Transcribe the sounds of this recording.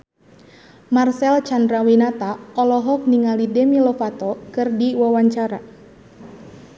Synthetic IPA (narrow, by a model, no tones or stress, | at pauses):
marsɛlt͡ʃandɾawinat̪aɔlɔɦɔk̚niŋalidɛmilɔfat̪ɔkɨrdiwawaɲt͡ʃaɾa